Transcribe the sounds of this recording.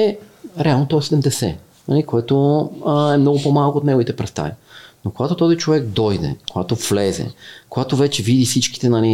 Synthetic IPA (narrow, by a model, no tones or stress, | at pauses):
ɛɾɛalˠnot̪ɔɛsɛd̪ɛmd̪ɛsɛ | nɐ̰likoɛt̪o | ɛmnɔɡʊpomalˠkoːt̪nɛɡovit̪ɛpɾɛst̪a̰vinokoɡat̪ot̪ɔzit͡ʃovɛkd̪ɔjd̪ɛ̰koɡat̪ovlɛzɛ̰koɡat̪ovɛt͡ʃɛvid̪isit͡ʃki̥t̪ɛnɐli